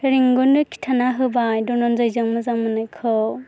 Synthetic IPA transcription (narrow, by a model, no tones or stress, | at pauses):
ɾiŋɡunːɯkʰi̥tʰanaɦɯbajdɔnɔnzajzɯŋmɯzaŋmɯnɯjkʰɔ